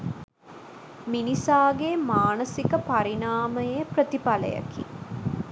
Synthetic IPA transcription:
minisaːɡemaːnəsikəpaɾinaːməjəjəprət̪ipalə̰jə̰kḭ

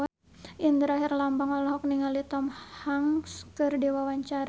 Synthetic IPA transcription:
a | ind̪əɾaɦɪrlambaŋɔlɔɦɔk̚niŋalit̪ɔmhaŋskɨrdewawaɲt͡ʃaɾ

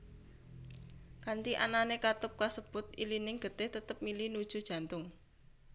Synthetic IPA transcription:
kant̪iʔananekat̪ʊp̚kasəb̥ʊ̤t̪̚ilinɪŋɡ̥ə̤t̪ɪht̪ət̪əp̚milinud̥ʒ̥ṳd̥ʒ̥ä̤nt̪ʊŋ

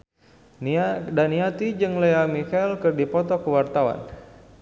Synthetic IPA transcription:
ndaniat̪id͡ʒɨŋleamikailkɨrdipɔt̪ɔkəwart̪awa̰n

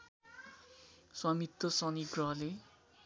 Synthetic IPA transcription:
swamit̪ːʌsʌniɡrʌɦʌle

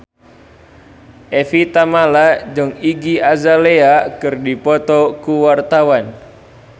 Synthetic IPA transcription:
ʔɛfit̪amalad͡ʒəŋiɡiazaleakɨrdipɔt̪ɔkuwart̪awan

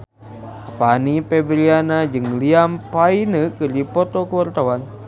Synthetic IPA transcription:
panipebəɾianad͡ʒɨŋliampainəkɨrdipɔt̪ɔkəwart̪awan

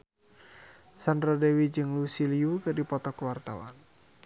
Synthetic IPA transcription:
sandradɛwid͡ʒɨŋlusiliukɨrdipɔt̪ɔkwart̪a̰wa̰n

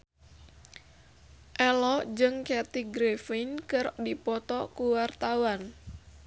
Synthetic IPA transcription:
ʔɛlɔʔd͡ʒɨŋkɛt̪iɡɾefenkɨrdipɔt̪ɔkuwart̪awan

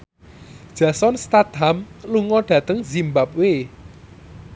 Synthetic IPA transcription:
d̥ʒ̥ä̤sɔnst̪ad̪̥amluŋɔɖ̥ä̤t̪əŋzimbap̚we

